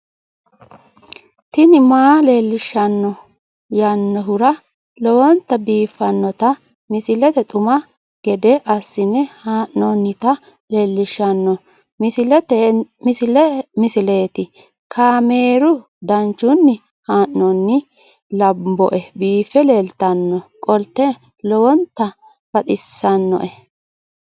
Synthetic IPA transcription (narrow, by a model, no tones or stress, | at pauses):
t̪ɪnɪmaːleːlːɪʃːɐnːɔ | jɐnːɔɦʊɾɐ | lɔwɔnt̪ːɐbiːfːɐnːɔt̪ɐ | mɪsɪlɛt̪ɛt̪ʼʊmɐ | ɡ̥ɛd̪ɛʔɐsːɪnɛhaːʔnɔnːɪt̪ɐ | leːlːɪʃɐnːɔ | mɪsɪlɛt̪ɛmɪsɪlɛmɪsɪle̞ːt̪ɪ | kʰaːme̞ːɾʊ | d̪ɐnt͡ʃːʊnːɪ | haːʔnɔnːɪ | lɐbːɔ̰ʔɛbiːfɛleːlt̪ɐnːɔkʼɔlt̪ːɛ | lɔwɔnt̪ːɐ | b̥ɐt̪ʼɪsːɐnːɔ̰ʔɛ